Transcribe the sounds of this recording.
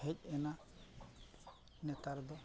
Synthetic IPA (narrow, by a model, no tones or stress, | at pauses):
hɛc̚ˀɛna | nɛt̪aɾd̪ɔ